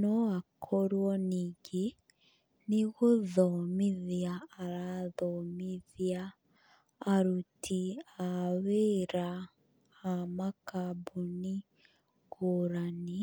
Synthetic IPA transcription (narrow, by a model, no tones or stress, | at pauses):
nɔakʰɔɾwɔniɡe | niɣoðɔmiðjaːɾaðɔmiðjaː | ɾutʰiaweɾaː | makabuni | koɾani